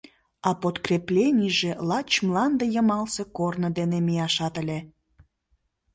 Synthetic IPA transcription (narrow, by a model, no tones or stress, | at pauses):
ɑpot̪kreplʲenʲijʒelɑt͡ɕmlɑnd̪ejəmɑlsekornəd̪enemijɑʃɑt̪əlʲe